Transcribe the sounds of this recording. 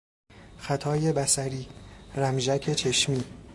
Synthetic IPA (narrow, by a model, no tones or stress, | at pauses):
xæt̪ʰɒːje̞bæsæɾiːɾæmʒæcʰe̞t͡ʃʰe̞ʃmiː